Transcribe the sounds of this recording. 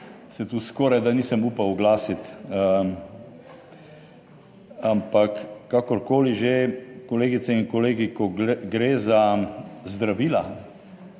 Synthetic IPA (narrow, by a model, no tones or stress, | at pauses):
sɛt̪uskɔːɾajd̪aniːsəmuːpawʊɡlaːsit̪ə | ampakːakɔɾkoːliʒekɔleːɡit̪sɛiŋkɔleːɡikɔɡɡɾeːzazd̪ɾaʋiːla̰